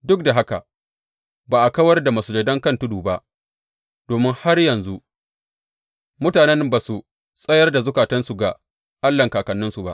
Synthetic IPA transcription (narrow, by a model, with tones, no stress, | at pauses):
dʊ˦k̚da˨ɦa˦ka̰˨ | baː˨ʔa˨kɐ˦wɐ˦rda˨mɐ˨sʊ˨d͡ʒɐ˨dɐ˦ŋkɐ˦ntʊ˦duː˨ba˦ʔ | d̥oː˨mɪ˦ŋha˦rjɐ˨nzu˦ʔ | mʊ˦taː˨nɛ˦nbaː˨su˨ | sʼɐ˦jɐ˦rda˨zʊ˦kaː˨tɐ˦nsu˨ɡa˨ | ʔa˦lːɐ˨ŋkaː˨kɐ˨nːɪ˦nsu˨ba̰˦ʔ